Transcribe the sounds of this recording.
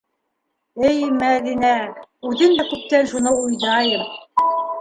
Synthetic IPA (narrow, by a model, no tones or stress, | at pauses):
ɘjmæðinæʉðɘmd̪ækʉp̚t̪ænʃunɤujðɑjɤm